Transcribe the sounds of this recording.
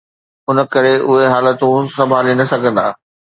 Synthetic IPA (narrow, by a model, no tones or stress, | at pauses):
ʊnə̆kɐɾeʔʊɦeɦaːlət̪ũsɐbʱaːlinɐsɐɡʱə̃nd̪aː